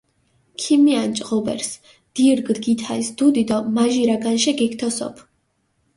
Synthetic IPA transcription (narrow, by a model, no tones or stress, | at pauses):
kʰimiant͡ʃʼqʼɔbɛ̰ɾs | d̪̥iɾɡd̪ɡit̪ʰaisd̪̥ud̪id̪ɔmaʒiɾaɡanʃɛɡɛkt̪ʰɔsɔ̰pʰ